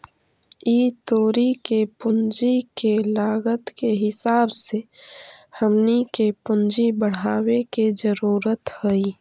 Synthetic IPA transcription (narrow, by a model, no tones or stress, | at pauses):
iːt̪oːɾikepʊnd͡ʒikelaːɡət̪keɦɪsaːbse | həmnikepʊnd͡ʒibəɽ̤aːwekezəɾuːɾət̪həi